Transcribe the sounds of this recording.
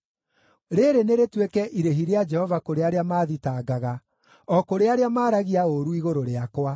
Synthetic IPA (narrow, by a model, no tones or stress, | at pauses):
ɾeɾeneɾetwekɛʔiɾeɦiɾead͡ʒɛhɔvakoɾeaɾeamaːðitaːɡaɣa | ɔkoɾeaɾeamaːɾaɣiaoɾuiɣoɾoɾeakwa